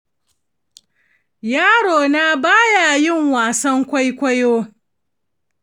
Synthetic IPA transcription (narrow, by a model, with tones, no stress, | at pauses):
jaː˦ɽoː˨na˦baː˦ja˨jɪ˦˨ŋwaː˨sɐ˦ŋkʷa˦jkʷɐ˦joː˦